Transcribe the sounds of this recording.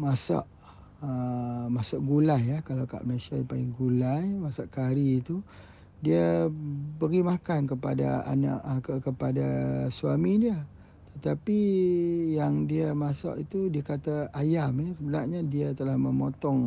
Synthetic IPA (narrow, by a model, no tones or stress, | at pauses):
masa̰ʔ | əmasaʔɡulajakalawka̰ʔməlesajipaiŋɡulajmasaʔkaɾiːt̪u | diə | bəɡimakankəpada̰a̰na̰ʔkəkəpadasuamidiə | t̪ət̪api | jaŋdiəmasa̰ʔit̪udiakat̪aajamɛsəbənarɲadiat̪əlahməmot̪ɔŋ